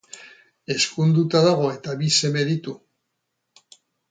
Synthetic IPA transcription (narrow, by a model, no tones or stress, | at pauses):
e̞skund̪ut̪aðaɣ̞o̞e̞t̪aβise̞me̞ðit̪u